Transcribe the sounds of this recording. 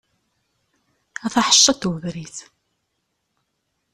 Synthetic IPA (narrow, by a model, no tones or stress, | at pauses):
æθaħə̥ʃːɑt̪wəðɾiθ